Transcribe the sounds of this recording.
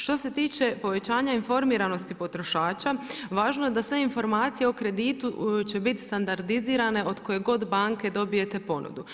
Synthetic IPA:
ʃt̪o̞se̞t̪iːt͡ɕe̞po̞ʋe̞t͡ɕaːɲainfo̞ɾmiːɾano̞st̪ipo̞t̪ɾo̞ʃaːt͡ɕaʋaːʒnoje̞d̪asʋe̞info̞ɾmaːt̪sijeo̞kɾe̞d̪iːt̪ut͡ɕe̞bit̪st̪and̪aɾd̪iziːɾane̞ʔo̞d̪ko̞je̞ɡo̞d̪baŋke̞d̪o̞bije̞t̪e̞po̞nṵd̪u

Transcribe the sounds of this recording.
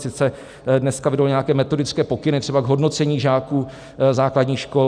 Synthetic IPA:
sɪt͡sɛ | dnɛskavɪdolɲɛakɛːmɛt̪o̞dɪtt͡skɛːpo̞kɪnɪt̪r̥ɛbaɡɦo̞dno̞t͡sɛɲiːʒaːku | zaːkladɲiːʃko

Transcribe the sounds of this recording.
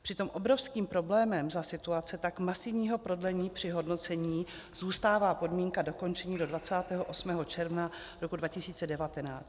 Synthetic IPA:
pr̝̥ɪt̪o̞mʔo̞bɾo̞fskiːmpɾo̞blɛːmɛmzasɪt̪uat͡sɛt̪akmasɪvɲiːɦo̞pɾo̞dlɛɲiːpr̝̥ɪɦo̞dno̞t͡sɛɲiː | z̥uːst̪aːvaːpo̞dmiːŋkado̞ko̞nt͡ʃɛɲiːdo̞dvat͡saːt̪ɛːɦoʔosmɛːɦo̞t͡ʃɛɾvna | ɾo̞kudvacɪsiːt͡sɛdɛvat̪ɛnaːt͡st̪̚

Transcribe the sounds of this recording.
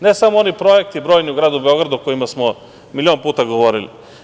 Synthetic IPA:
nesamoonipɾojek̚t̪ibɾoːjniuɡɾaːd̪ubeo̞ɡɾad̪uko̞jimasmo | milio̞ːnpuːt̪aɡoʋoɾilḭ

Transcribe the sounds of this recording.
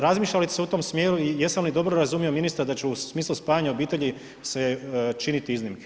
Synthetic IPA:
ɾazmiːʃʎalit̪seut̪o̞msmjeːɾuijesamlid̪o̞bɾoɾazumijo̞minist̪aɾad̪at͡ɕɛumiːslˠuspaːjaɲaobiːt̪eʎi | set͡ʃinit̪iiznimke̥

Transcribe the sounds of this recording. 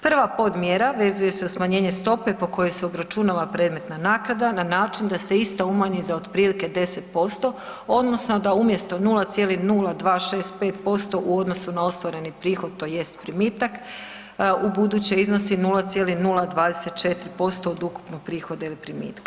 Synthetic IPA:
pr̩ʋapo̞d̪mjeɾaʋe̞zuje̞se̞usmaɲeːɲe̞st̪o̞pe̞po̞ko̞jojseobɾat͡ʃunalapɾe̞ːd̪me̞t̪nanaːkɾad̪ananaːt͡ʃind̪ase̞ist̪aumaɲizaod̪pɾiːlike̞d̪e̞set̪po̞st̪o̞ | o̞d̪no̞snod̪aumje̞st̪o̞nulˠat̪sʲje̞linulˠad̪ʋaːʃe̞ːst̪̚pe̞ːt̪po̞st̪o̞ʔuo̞d̪no̞sunao̞st̪ʋoɾe̞nipɾiːxod̪̚t̪o̞je̞st̪pɾimiːt̪ak | ubud̪ut͡ɕeizno̞sinulˠat̪sʲje̞linulˠad̪ʋaːd̪ese̞t̪t͡ʃe̞t̪ɾipo̞st̪o̞od̪uku̥pnoɡ̚pɾiːxo̞d̪ailipɾimḭːt̪kḁ

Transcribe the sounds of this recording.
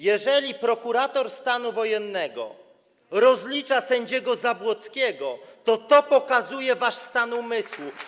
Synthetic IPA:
jɛʐɛlʲipɾɔkuɾat̪ɔɾst̪anuvɔjɛnːɛɡɔ̰ | ɾɔzlʲit͡ʂasɛɲd͡ʑɛɡɔzabwɔt̪skʲɛɡɔt̪ɔt̪ɔpɔkazujɛvaʂst̪anumɘswu

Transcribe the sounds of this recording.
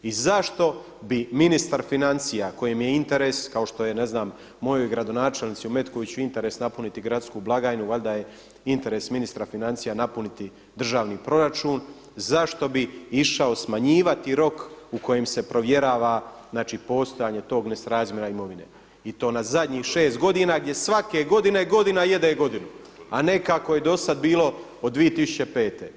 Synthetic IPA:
izaʃt̪o̞ | biminist̪aɾfinant̪sijako̞jemje̞int̪e̞ɾe̞ːskao̞ʃt̪o̞je̞ne̞znaːmː | o̞jo̞jɡɾad̪o̞naːt͡ʃe̞lnit̪siume̞t̪ko̞ʋit͡ɕuint̪e̞ɾesnapunit̪iɡɾat̪skublˠaɡaːinuʋald̪aje̞ | int̪e̞ɾe̞ːsminist̪ɾafinant̪sijanapunit̪i | d̪r̩ʒaːʋniːpɾo̞ɾat͡ʃuːn | zaʃt̪o̞biiʃao̞smaɲiːʋat̪iɾo̞kuko̞je̞mse̞pɾo̞ʋje̞ɾaːʋaznaːt͡ʃiːpo̞ːst̪o̞jaːɲe̞t̪o̞ːɡne̞sɾaːzmjeɾaimo̞ʋine̞̰ | it̪o̞ːnazad̪ɲiːxʃe̞ːst̪̚ɡo̞d̪inaɡdjesʋake̞ɡo̞d̪ine̞ɡo̞d̪inajed̪eɡo̞d̪inu | ane̞kako̞je̞d̪o̞sad̪biːlo̞ | od̪d̪ʋijet̪isu̥t͡ɕe̞pe̞ːt̪ḛ

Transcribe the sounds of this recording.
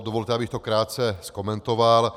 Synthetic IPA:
d̪ɔʋɔlt̪ʲɛabixt̪ɔkɾaːt͡sɛskɔmɛnt̪ɔʋal

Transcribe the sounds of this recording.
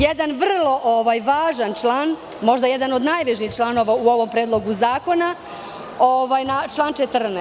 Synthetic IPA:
jed̪anʋr̩lˠo̞ʔoʋajʋaːʒant͡ʂlˠaːn | mo̞ʒd̪ajed̪ano̞d̪najʋeʒixt͡ʃlˠano̞ːʋauo̞ʋo̞mpɾeːd̪lˠo̞ɡuzaːko̞na | oʋaːjnat͡ʃlˠaːnt͡ʃet̪rnɛ

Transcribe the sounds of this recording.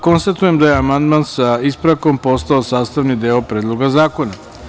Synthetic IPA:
ko̞nst̪at̪ujemd̪aje̞amand̪mansaispɾako̞mpo̞st̪aosaːst̪aʋnid̪eːopɾe̞ːd̪lˠoɡazaːko̞na

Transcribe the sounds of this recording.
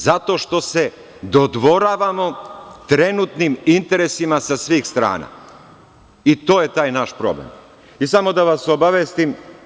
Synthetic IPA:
zat̪o̞ʃt̪o̞se̞ | d̪od̪ʋo̞ɾaːʋamo̞t̪ɾe̞nut̪nimint̪e̞ɾesimasasʋiːxst̪ɾa̰ːna̰ː | it̪o̞ːjet̪aːjnaʃpɾo̞̰blḛm | isamo̞d̪aʋasobaʋjest̪im

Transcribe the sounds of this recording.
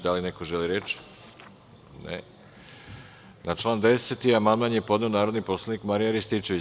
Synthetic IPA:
d̪alinekoʒeliɾet͡ʃ | nḛ | nat͡ʃlˠaːnd̪e̞set̪iamand̪manjepo̞d̪ne̞onaːɾo̞d̪nipo̞slˠanikmaɾijaɾist̪it͡ʃeʋi

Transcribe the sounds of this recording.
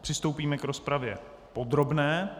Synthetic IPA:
pr̥ɪst̪owpiːmɛkɾo̞spɾavjɛ̰ | po̞d̪ɾo̞bnɛː

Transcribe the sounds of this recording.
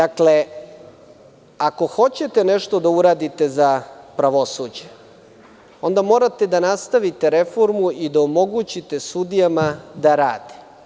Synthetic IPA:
d̪akle̞ | ako̞xo̞t͡ɕe̞t̪e̞neʃt̪o̞d̪auɾaːd̪it̪e̞zapɾaʋo̞sud͡ʑe | o̞nd̪amo̞ːɾat̪e̞d̪anast̪aʋit̪e̞ɾe̞fo̞ɾmuʔid̪aomo̞ɡut͡ɕit̪e̞sud̪ijamad̪aɾaːd̪e̥

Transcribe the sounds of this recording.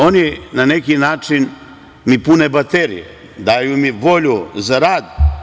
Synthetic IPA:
o̞ninanekinaːt͡ʃin | mipunebat̪eɾḭjḛ | d̪ajumiʋo̞ʎuzaɾaːd̪

